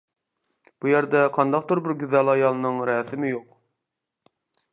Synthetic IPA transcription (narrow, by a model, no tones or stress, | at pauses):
b̥ujæɾd̪ɛqʰɑnd̪ɑq̚t̪ʊɾbɪɾɡʲyzælˠɑjɑlˠɨnɨŋɾɛːsɪmɪjoq